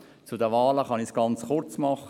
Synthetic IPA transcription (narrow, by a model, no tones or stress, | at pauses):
t͡sʊdəʋɑːləχɑnɪçsɡ̥ɑnt͡sχʊrt͡smɑχə